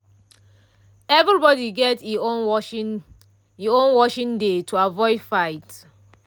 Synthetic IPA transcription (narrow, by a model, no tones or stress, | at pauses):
ɛvɹibɔdiɡɛtio | iõnwɔʃĩndetʰuavɔɪdfaɪt